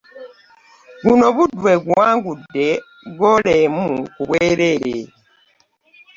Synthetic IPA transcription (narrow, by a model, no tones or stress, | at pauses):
ɡunoβudweɡuwaŋɡudːe | ɡɔlemukuβweɾele